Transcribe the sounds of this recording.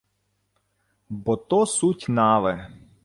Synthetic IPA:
bɔt̪ɔsutʲnɑʋɛ

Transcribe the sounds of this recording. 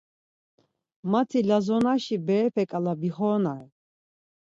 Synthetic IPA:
mat̪ʰilazɔnaʃibɛːpʰɛkʼalabiχɔːnaɛ

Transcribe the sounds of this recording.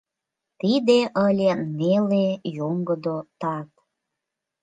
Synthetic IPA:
t̪id̪eʔəlʲenelejoŋɡəd̪ot̪ɑt̪̚

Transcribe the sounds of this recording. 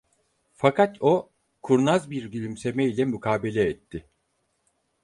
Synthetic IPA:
fakʰat̪ʰo̞ | kʰuɾnazbiɾɟilʲimse̞meilʲɛmykʰaːbelʲɛːt̪ʰːɪ

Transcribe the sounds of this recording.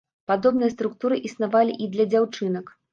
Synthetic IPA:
pad̪ɔbnɨjɐst̪ɾukt̪uɾɨʔisnavalʲiʔid̪lʲɐd͡zʲawt͡ʂɨnɐk

